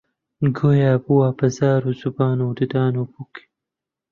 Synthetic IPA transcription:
ɡojaːbuwaːpɐzaːɾuzubaːnod̪id̪aːnoːpuki̥

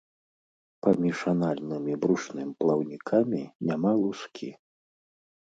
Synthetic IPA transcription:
pamʲiʂanalʲnɨmʲibɾuʂnɨmʲplˠɐwnʲikʰamʲinʲamalˠuskʲi

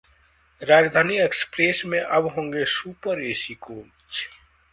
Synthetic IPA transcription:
ɾaːd͡ʒd̪ʱaːniekspɾeːsmẽʔɐbɦõːŋɡesuːpəɾeːsikoː | t͡ʃ

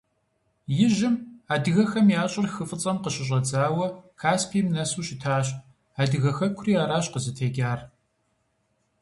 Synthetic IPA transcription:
jɪʒɪmaːdɨɣɐxɐmjaːɕʼɪrxɨfʼɨt͡sʼɐmqəɕɪɕ̬ʼɐd͡zaːwɐkʰaːspʰiːmnɐsuːɕɪtʰaːɕʼ | aːdɨɣɐxɐkʷʰʊriːaːɾaːɕqəzɨtʰeːɡʲaːr

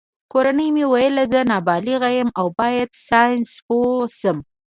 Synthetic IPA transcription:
koɾanəjmewajəlazənɑbɑliɣajəmawbɑjad̪sɑjnsposəm

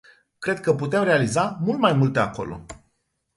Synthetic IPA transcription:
kɾe̞d̪̚kəput̪e̞mre̞alizamult̪majmult̪e̞ako̞̰lo̞̰

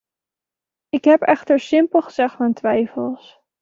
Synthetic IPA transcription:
ɪkɦɛpɛχtəɹsɪmpəlˠχəz̥ɛχtmantʋɛjfəlˠs

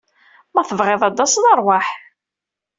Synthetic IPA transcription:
mæθəvʁeðˤɑd̪ˤːɑsnəɾˤwaħ

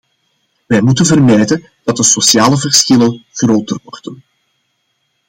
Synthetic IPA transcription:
ʋɛjmutənvərmɛjdən | d̥ɑt̚dəsosjaːləvərsxɪlənɣroːtərʋɔrdən

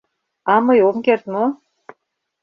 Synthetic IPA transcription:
ɑmɤjomkert̪mo

